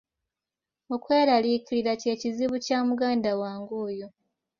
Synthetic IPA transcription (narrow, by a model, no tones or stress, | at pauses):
okwe̞ːɾaliːkiliɾace̞ːciziβucaːmuɡaːndawaːŋɡuːjo